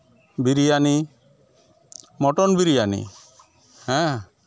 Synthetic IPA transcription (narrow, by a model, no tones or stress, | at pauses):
biɾijani | mɔʈɔnbiɾijanḭ | hɛ̃